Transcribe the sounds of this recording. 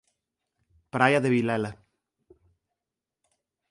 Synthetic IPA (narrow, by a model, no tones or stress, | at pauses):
pɾajaðeβilɛla